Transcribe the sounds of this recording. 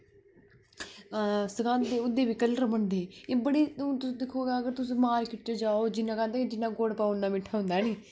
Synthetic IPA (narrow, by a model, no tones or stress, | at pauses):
səkãːnd̪eːʊd̪eːʋiːkəlːəɾməɳd̪eːeːbəɽiːũt̪ʊ̃d̪ɪkʰːoːɡaəɡəɾt̪ʊsːmaːlkɪʈːeːd͡ʒaːoːd͡ʒɪnːãːkɛ̃ːnd̪eːkːd͡ʒɪnːãːɡoːɽpaːʊnːãːmɪʈʰːaːɦʊ̃nd̪aːniː